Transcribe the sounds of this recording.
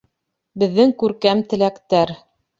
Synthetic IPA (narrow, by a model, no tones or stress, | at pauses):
bɘ̆ðːɘŋkʉɾkæmt̪ɘ̆lækt̪æɾ